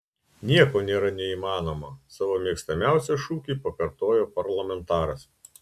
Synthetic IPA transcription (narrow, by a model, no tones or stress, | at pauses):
nʲiɛkoːnʲeːɾɐnʲɛiːmɑːnoːmɐsɑːʋoːmʲiɛkst̪ɐmʲæˑʊsʲɛʃuːkʲiːpɐkɐɾt̪oːjoːpɐɾlˠɐmʲɛnˑt̪ɑːɾɐs